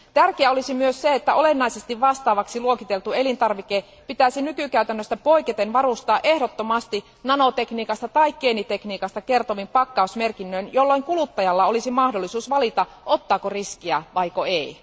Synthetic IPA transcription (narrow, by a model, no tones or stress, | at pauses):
t̪ærkeæo̞lisimyøsseet̪ːæʔo̞le̞nːɑise̞st̪iʋʋɑst̪ɑːʋɑksiluokit̪e̞lt̪ue̞lint̪ɑrʋike | pit̪æsinykykæyt̪ænːøst̪æpo̞iket̪enʋɑɾust̪ɑːʔe̞hdot̪ːomɑst̪i | nɑno̞t̪e̞kniːkɑst̪ɑt̪ɑikkeːnit̪e̞kniːkɑst̪ɑke̞rt̪oʋimpɑkːɑusme̞rkinːøinjo̞lːoiŋkulut̪ːɑjɑlːɑo̞lisimɑhdolːisuːsʋɑlit̪ɑ | o̞t̪ːɑːkoriskiæʋɑikoei